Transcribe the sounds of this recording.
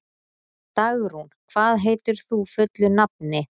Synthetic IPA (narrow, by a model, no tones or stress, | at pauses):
t̪aɣɾ̥hunkʰv̥aːðɦeːjt̪ʏɾ̥θufœt̪lʏnap̚nɪ